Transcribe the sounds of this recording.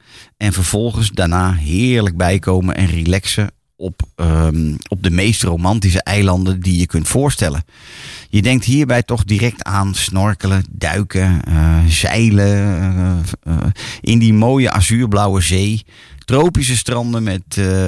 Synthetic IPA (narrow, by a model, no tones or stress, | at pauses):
ɛnvəɹv̥ɔlˠχənsdanaːɦɪːɹləɡ̚bɛjkʰowmənʔɛ̰nrilɛksə | ɔp | ɔb̚dəmejstrowmɑntis̬əʔɛjlɑndəndijəkɵntfʊːɹstɛlə̰ | jədɛŋk̚tɦiːɹbɛjtɔχdiɾɛk̚tʰaːnsnɔrkələdœ̰ɥkʰə | z̥ɛ̰jlə | ʔɪ̰ndimoːjəʔa̰zyːɹblawəzeːj | trowpis̬əstrɑndənmɛt